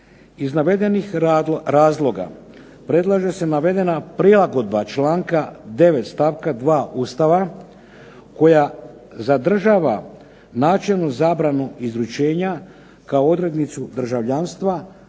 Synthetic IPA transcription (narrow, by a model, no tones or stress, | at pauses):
iznaʋe̞d̪e̞nixɾaːzlˠo̞ɡa̰ | pɾe̞d̪lˠaʒe̞se̞naʋe̞d̪e̞napɾilˠaɡo̞d̪bat͡ʃlaːŋkad̪e̞ʋe̞t̪st̪aʋkad̪ʋaːʔuːst̪aʋa | ko̞ja | zad̪r̩ʒaːʋa | naːt͡ʃelˠnozaːbɾanuʔizɾut͡ʃe̞ːɲa | kaoo̞d̪ɾe̞d̪nit̪sud̪r̩ʒaʋʎaːnst̪ʋa